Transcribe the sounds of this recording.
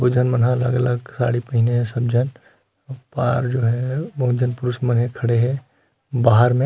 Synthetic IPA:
ʊd͡ʒʱənmənɦãləɡɐləɡsa̰ːɽipəɦineɦɛ̃sɐb̚d͡ʒʱən | paːɾd͡ʒoːɦɛbod͡ʒʱənpʊɾʊsmɐnɦẽkʰɐɽeɦɛ | baːɦəɾmẽ

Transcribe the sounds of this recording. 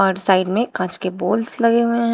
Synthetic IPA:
ɔːɾsaːɪɖmẽkãːt͡ʃkeboːlslɐɡeɦẽɦ

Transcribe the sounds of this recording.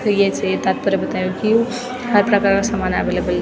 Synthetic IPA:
kəijet͡ʃʰet̪at̪̚pəɾebət̪ajũkiu | həɾpɾəkaɾkasəmanabelebəl

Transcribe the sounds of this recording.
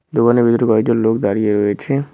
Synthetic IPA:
d̪okanebid̪oɾikɔeɡ̚d͡ʑonlokd̪aɾieɾoet͡ɕʰe

